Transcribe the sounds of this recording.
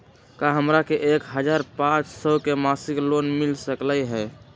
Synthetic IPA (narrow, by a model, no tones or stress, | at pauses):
kaɦəmɾakeʔekɦəd͡ʒaɾpãt͡ʃsəkemasiklonmilsəkləjɦɛ